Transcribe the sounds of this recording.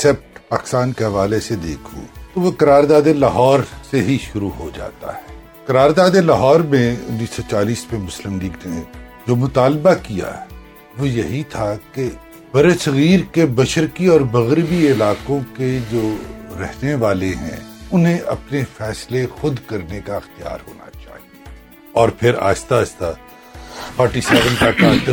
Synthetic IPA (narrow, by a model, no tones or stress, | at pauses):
sɛp̚ʈpaːkɪ̥st̪aːnkeɦɐʋaːlesed̪eːkʰṵt̪oʋokɐɾaːɾd̪aːd̪elɐɦɔːɾseɦiʃʊɾuɦod͡ʒa̰ːt̪a̰ɦɛː | kɐɾaːɾd̪aːd̪elɐɦɔːɾmẽʊ̰nːiːsɔt͡ʃaːliːsmẽmʊslɪmliːɡned͡ʒoːmʊt̪aːlbakija̰ | ʋojɐɦit̪ʰake | bɐɾesɐɣiːɾkebɐʃəɾkiɔːɾmɐɣɾbiɪlaːqõked͡ʒoːɾɛ̰ɦneʋaːleɦɛ̰̃ʊnɦẽʔɐ̰pnefɛːslexʊd̪kɐɾnekaɪxt̪ija̰ːɾɦoːna̰t͡ʃa̰ːɦie | ɔːɾpʰɪɾa̰ːɪst̪aːɪst̪a | paːɾʈisɛːɾə̃nkaʈaːt̪